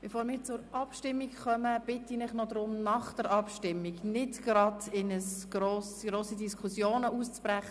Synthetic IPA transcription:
b̥ɛfoːɾmɪːɾt͡sʊɾɑpʃtɪmːikχœməb̥ɪtːinɪχnɔd̪ɾʊmnɑχd̥əɾʔɑpʃtɪmːiɡnɪtɡ̥ɾɑdɪnəsɡ̥ɾoːsɡɾoːsidiskʰusjoːnəust͡spɾæχə

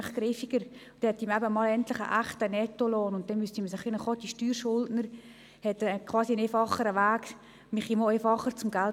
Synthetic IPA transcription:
ɪχɡɾɪfiɡ̥əɾ | t̪ɛhɛtimɛbəmɑːlɛntlɪχə̰ʔæχtənɛtolɔːnʊnt̚d̥ɛnmystimsɪχinəχɔdiʃtyːɾʃʊldnəɾ | hɛtɛkʰvɑːsinefɑχəɾəʋaːk | mɪχimoefɑχəɾt͡sʊmɡal

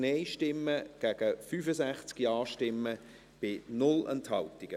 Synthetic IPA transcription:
neɪʃtɪmːəɡ̥æːɡ̥əfyːfəsæχt͡skiɑːʃtɪmːə | b̥ɪnʊlɛ̰nthɑltɪɡ̥ə

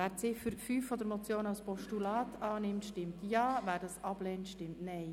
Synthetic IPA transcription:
æːɾt͡sɪfəɾfyːfːɔd̪əɾmɔt͡sjoːnɑlspɔʃtulɑːtʰɑːnɪmtʃtɪmt̪jɑːvæːɾdɑsɑb̥lɛːntʃtɪmtnɛɪ

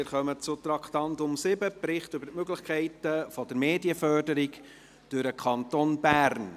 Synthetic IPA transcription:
ɪɾχœmət͡sʊt̪ɾɑkχt̪ɑntʊmsɪbəpɾɪχtʏbəɾtmøɡlɪχkʰɛɪtəfɔd̥̪əɾmeːdiəfœrdəɾik | d̥ʉɾəkʰɑntoːnbæːɾn

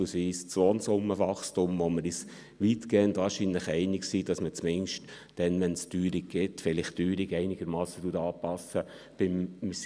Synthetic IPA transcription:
lsʋiːst͡sʋoːnsʊmːəʋɑχstʊmʋoməɾis | ʋitɡ̥ɛːəntʋɑːɾʃiːnləχɛɪnɪksiːd̥ɑsmət͡smɪŋʃt | d̥ɛnʋɛnstyːɾɪk̚ɡ̥ɪtfɪlɪχtyːɾɪɡɛɪnɪɡ̥əɾmɑːsətuətɑːpɑsə | b̥ɪms

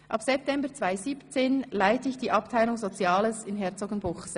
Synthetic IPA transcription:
ʔɑpsɛp̚tʰɛmbəʁt͡sv̥aɪziːpt͡seːnlaɪtəɪçd̥iːʔɑptʰaɪlʊŋzot͡sjɑːləsɪnɦɛɐt͡soɡənbʊχs

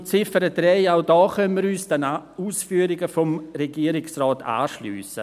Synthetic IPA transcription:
t͡sɪfəɾədrɛɪaʊdɑːχœnəməɾyːsd̥ɛnauːsfyːəɾɪɡəfɔmreɡiəɾɪksrɔːta̰ːʃly̰ːsə

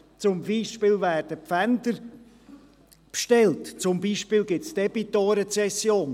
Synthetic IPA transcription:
t͡sʊmbiːʃpɪːlvæːrd̥əpfændəɾ | pʃtɛltt͡sʊmbiːʃpiːlɡɪtsd̥ɛb̥itoɾɛt͡sɛsjoːn

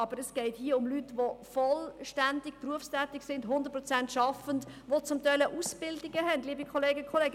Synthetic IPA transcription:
ɑbəɾəsɡ̥ɛɪthiəʊmlytʋofɔlʃtændɪkpruəfstæːtɪksɪndɦʊndət̚pɾɔt͡sæntʃɑfəndʋot͡sʊmtɛɪləʔusb̥ɪldɪɡəɦɛndliːbikʰχɔleːɡəkʰɔleːɡə

